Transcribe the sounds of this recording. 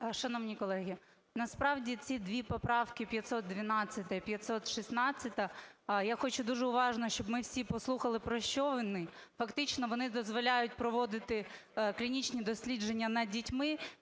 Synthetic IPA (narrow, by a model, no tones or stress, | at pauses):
ʃɐnɔʋnʲikɔlˠɛɦʲi | nɐspɾɑwdʲit͡sʲid̪ʋʲipɔpɾɑwkɪpʲjɐt̪ʲsɔt̪̚d̪ʲʋʲinɑt͡sʲːɐt̪ɐipʲjɐt̪ʲsɔt̪ʃisnɑt͡sʲːɐt̪ɐjaxɔt͡ʃud̪uʒɛʊʋɑʒnɔʃt͡ʃɔbmɪwsʲipɔslˠuxɐlˠɪpɾɔʃt͡ʃɔʋɪnːɪfɐkt̪ɪt͡ʃnɔʋɔnɪd̪ɔzʋɔlʲajʊt̚ʲpɾɔʋɔd̪ɪt̪ɪklʲinʲit͡ʃnʲid̪ɔsʲlʲid͡ʒenʲːɐnɐdʲitʲmɪ